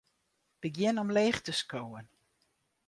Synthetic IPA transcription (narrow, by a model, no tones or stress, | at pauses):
b̥əɡjɪnɔmleːχtəskowən